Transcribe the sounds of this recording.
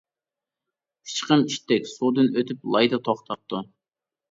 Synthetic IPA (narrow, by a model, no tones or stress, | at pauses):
kʰi̥t͡ʃqəmiʃt̪ɛkʲsud̪ɨnøt̪ʰyplˠɑjd̪ɑt̪ʰoχt̪ʰɑp̚t̪u